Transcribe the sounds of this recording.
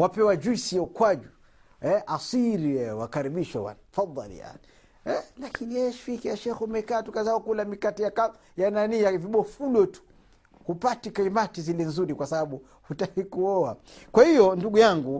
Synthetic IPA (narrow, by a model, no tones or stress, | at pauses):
wapɛwad͡ʒuisijaukwad͡ʒu | ɛʔasiɾiɛwakaɾiɓiʃawa̰nafɑd̪ˤːɑ̰l̰ja̰ni | ɛlakʰinijɛɛʃi̥fikijaʃɛxumɛkaːtukazaɔkulamikatijaka | jananiːjaviɓɔfulɔtu̥ | hupatikaimatizilɛnzuɾikwasaɓaɓu | hutahikuɔakwahijɔnduɡujaŋɡu